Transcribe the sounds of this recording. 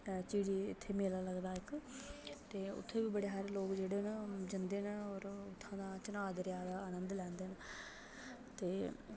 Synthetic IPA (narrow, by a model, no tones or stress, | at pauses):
t͡ʃiːɽiːɪ̰t̪ʰːeːmeːlaːləɡd̪aːɪk | t̪eːʊ̰t̪ʰːeːbiːbəɽeːɦaɾeloːkd͡ʒeːɽeːnd͡ʒənd̪eːnɔːɾʊt̪ʰːãːd̪aːt͡ʃənaːd̪ɾjaːd̪aːəːnə̃nd̪lɛ̃ːnd̪eːn | t̪eː